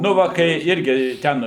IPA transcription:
ˈnʊ ʋɐ kɐɪ ˈɪrʲɡʲɪ ˈtʲɛn

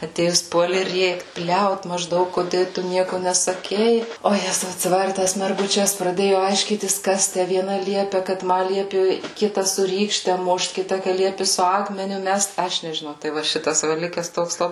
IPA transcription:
ɐˈtʲeːjʊs ˈpuɔlʲɪ ˈrʲeːkt ˈbʲlʲɛʊt mɐʒˈdɐʊk kʊˈdʲeː ˈtʊ ˈnʲiɛkʊ nʲɛsɐˈkʲɛɪ oː ˈjæːzɐʊ ɐtʲsʲɪˈʋɑːrʲɪ ˈtɐs mʲɛrɡʊˈt͡ʃʲɛs prɐˈdʲeːjʊ ɐɪʃʲˈkʲiːtʲɪs ˈkɐs tʲæ ʋʲiɛˈnɐ ˈlʲiɛpʲɛ kɐt ˈmɐ ˈlʲiɛpʲɪ ˈkʲɪtɐ sʊ ˈrʲiːkʃʲtʲɛ ˈmʊʃt ˈkʲɪtɐ kɐ ˈlʲiɛpʲɪ sʊ ˈɑːkmʲɛnʲʊ ˈmʲɛst ˈɐʃ nʲɛʒʲɪˈnɐʊ tɐɪ ˈʋɐ ˈʃʲɪtɐs ˈʋɐ ˈlʲɪkʲɛs ˈtoːks lˠɐˈbɐɪ

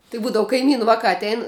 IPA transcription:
tɐɪ ˈbuːdɐʋʊ kɐɪˈmʲiːnʊ ˈʋɑːkɑː ɐtʲˈɛɪn

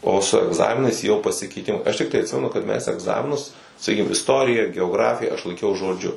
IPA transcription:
ˈoː sʊ ɛɡˈzɑːmʲɪnɐɪs jɛʊ pɐsʲɪkʲɛɪˈtʲɪmɐɪ ɐʃ ˈtʲɪktɐɪ ɐtʲˈsʲɪmʲɛnʊ kɐt ˈmʲɛs ɛɡˈzɑːmʲɪnʊs sɐˈkʲiːkʲɪm ɪsˈtoːrʲɪjɛ ɡʲɛoːˈɡrɑːfʲɪjɛ ɐʃ lˠɐɪkʲˈɛʊ ʒoːˈd͡ʒʲʊ

